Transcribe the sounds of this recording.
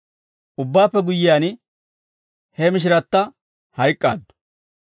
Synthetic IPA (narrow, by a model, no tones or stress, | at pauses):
ʔʊbːaːpːɛɡʊjːɪjaːn | hɛmɪʃ̬ɪɾɐt̪ːɐ | hɐjkʼːa̰ːd̪ːʊ̥